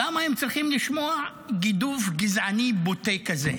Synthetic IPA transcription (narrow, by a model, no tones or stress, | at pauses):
amaemt͡sʁiχimliʃmo̞a | ɡid̪uvɡizʕanibotekazḛ